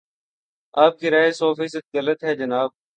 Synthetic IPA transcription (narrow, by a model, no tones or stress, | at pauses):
aːp̚kiːɾaːɦeːsoːfiːsət̪̚ɡələt̪ɦɛːd͡ʒənaːb̚